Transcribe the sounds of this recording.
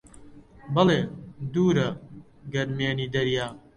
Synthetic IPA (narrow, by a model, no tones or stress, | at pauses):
bɐleːd̪uːɾɐ | ɡɐɾmeːniːd̪ɐɾjaː